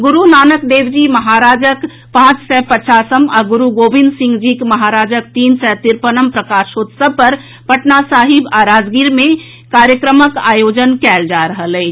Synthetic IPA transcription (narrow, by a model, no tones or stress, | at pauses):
ɡʊɾunaːnəkd̪eːwd͡ʒiməɦaːɾaːd͡ʒək | pãːt͡ʃsɛpət͡ʃaːsəmaɡʊɾuɡoːbɪ̃nd̪sɪ̃ŋɡd͡ʒikmɐɦaːɾaːd͡ʒək̚t̪iːnsɛt̪iɾpənəmpɾəkaːɾʃoːt̪səpəɾ | pəʈnasaːɦɪbaɾaːd͡ʒɡiɾmẽ | kaːɾjəkɾəməka̰ːjoːd͡ʒənkɛːld͡ʒaɾəɦəlɛː